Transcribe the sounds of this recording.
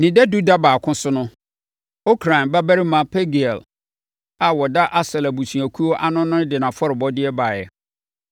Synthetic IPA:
nɪ̃˨dɛ˦du˦da˦baː˨kʰʊ̃˦sʊ˦nʊ̃˦ | o˦kʰɾã˨nba˦bæ˦ɾɪ˦mã˨˦pʰɛ˦ɡi˨ɛ˨l | a˨wɔ˨da˦ʔa˦sɛ˨la˨bu˨sũ˨æ˨kʰu˦o˦ʔa˦nʊ̃˦nʊ̃˦dɪ˨nã˨fɔ˦ɾɪ˨bɔ˦dɪ˦ɛ˦ba˨jɛ̰˨

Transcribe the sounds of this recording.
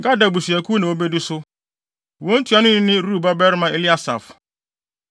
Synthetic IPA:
ŋ̩˨ɡa˦da˨bu˨si˨æ˨kʰu˦nã˨wo˦be˦du˦sʊ˦ | wo˦n̩˦tʰu˦a˨˦nʊ̃˦nɪ̃˦nɪ̃˦ɾu˦˨ba˦bɛ˦ɾmã˦e˨li˦a˨sa̰˨f

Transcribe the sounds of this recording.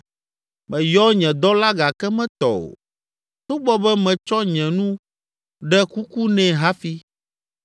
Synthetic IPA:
mɛ̃˨jɔ˦ɲɛ̃˨d̪ɔ˦la˦ɡa˨kɛ˦mɛ̃˦t̪ɔ̰˨o̰˨ | t̪o˦bɔ˦bɛ˦mɛ̃˨t͡ʃɔ˦ɲɛ̃˨nũ˦ | ɖɛ˦ku˦ku˦nɛ̃˨ɦa˦fi˦

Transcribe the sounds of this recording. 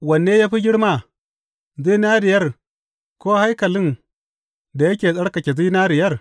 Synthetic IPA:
wɐ˨nːeː˦jaː˦ɸi˦ɡʲɪ˦ɽma˦˨ | zi˦naː˦dɪ˨jɐ˦r | koː˦ha˦jkɐ˨lɪ˦n | da˨jɐ˦kʲeː˨sʼɐ˦ɽkɐ˨kʲe˨zi˦naː˦ɾɪ˨jɐ˦r

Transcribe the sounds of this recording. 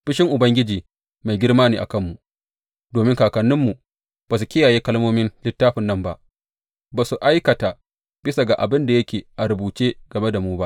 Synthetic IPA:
ɸɪ˦ʃɪ˦ŋʔʊ˨bɐ˦ŋɡʲɪ˦d͡ʒiː˨ | ma˨jɡʲɪ˦rmaː˦niː˨ʔa̰˨kɐ˦mːu˨ | doː˨mɪ˦ŋkaː˨kɐ˨nːɪ˦mːu˨ | b̥aː˨s̬u˨kʲɪ˦jaː˨jeː˦kɐ˦lmoː˦mɪ˦nlɪ˦tːaː˦ɸɪ˨nːɐ˦˨mba˦ʔ | baː˨su˨ʔa˦jkɐ˨ta˨ | b̥ɪ˦sa˨ɡa˨ʔa˨bɪ˦nda˨jɐ˦kʲeː˨ʔa˨ɾʊ˨buː˨t͡ʃeː˦ɡ̥ɐ˨me˦da˨muː˦ba˦ʔ

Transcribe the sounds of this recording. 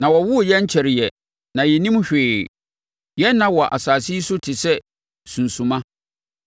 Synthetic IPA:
nã˨wɔ˨wʊ˦˨jɛ˦ɲ˦t͡ɕʰɛ˨ɾɪ˨jɛ˨ | nã˨jɛ˨nĩ˦m˦ɕᶣeː˨ | jɛ˦nːã˦wɔ˨ʔa̰˨saː˨si˦i˦sʊ˦tʰɪ˨sɛ˦ | sũ˨nsũ˨mã˦

